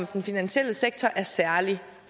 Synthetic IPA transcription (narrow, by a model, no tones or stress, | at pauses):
md̥enfinænɕiel̰əseɡ̥̚t͡sʰɒʔæɐsæɐli